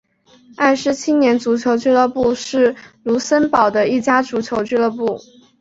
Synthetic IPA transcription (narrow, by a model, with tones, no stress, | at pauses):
a˥˩ʂɻ̩˧˥t͡ɕʰi˥njɛ˧˥nt͡su˧˥t͡ɕʰjo˧˥ʊt͡ɕy˥lə˥˧pu˥˧ʂɻ̩˥˩lu˧˥sə˥npɑ˨˩ʊd̪ə˦i˥˩t͡ɕja˥ʈ͡ʂu˧˥t͡ɕʰjo˧˥ʊt͡ɕy˥˧lə˥˧pu˥˩